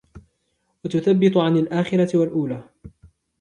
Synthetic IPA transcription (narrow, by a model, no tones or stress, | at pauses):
wat̪ʊθabːɪt̪ˤʊʕanalʔaːxɪɾˤɑt̪walʔuːlaː